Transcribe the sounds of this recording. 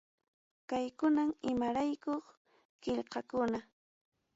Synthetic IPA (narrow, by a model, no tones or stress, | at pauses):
kajkʊnamɪmaɾajkoχ | kɪʎqɑkʊna